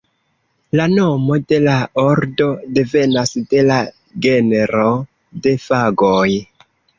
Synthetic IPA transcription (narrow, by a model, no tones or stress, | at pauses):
lano̞mo̞de̞lao̞ɾdo̞de̞ve̞nasde̞la | ɡe̞neɾo̞ | de̞faɡoj